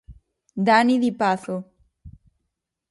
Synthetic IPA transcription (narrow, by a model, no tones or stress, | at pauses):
d̪aniðipaθo